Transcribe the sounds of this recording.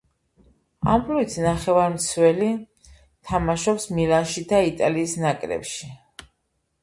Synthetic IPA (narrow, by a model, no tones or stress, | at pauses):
a̰mbluit̪ʰnaχɛvaɾmt̪sʰwɛli | t̪ʰamaʃɔpsmilanʃid̪ait̪ʼaliːsnakʼɾɛ̰pʃi